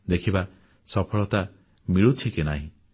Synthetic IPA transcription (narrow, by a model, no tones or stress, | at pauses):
d̪ekʰiba | sɔpʰɔɭɔt̪a | miɭut͡ʃʰikenaɦĩ